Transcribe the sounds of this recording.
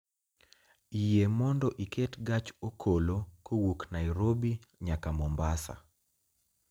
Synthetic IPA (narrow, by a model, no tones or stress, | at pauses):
ijemɔndɔʔikʰetɡat͡ʃokʰolokowuknajɾobiɲakamɔmbasa̰